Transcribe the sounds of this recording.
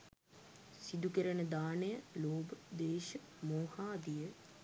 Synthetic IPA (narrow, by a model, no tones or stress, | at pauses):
sid̪ukəɾənəd̪aːnejəloːbəd̪eːʃə | moːhaːd̪ijə